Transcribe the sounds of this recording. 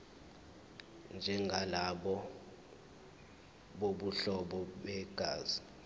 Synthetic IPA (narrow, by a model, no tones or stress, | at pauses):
nd͡ʒʱɛŋɡʱalaɓɔ | ɓoɓuɬɔɓɔɓɛɡ̥ʱaːzi